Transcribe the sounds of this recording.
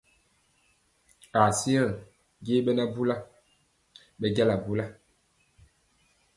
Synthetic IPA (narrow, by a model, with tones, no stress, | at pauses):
a˨si˦a˦˨ | ɡe˦ɓɛ˦na˦bu˦la˦ | ɓɛ˦ɡa˦la˨bu˦la˦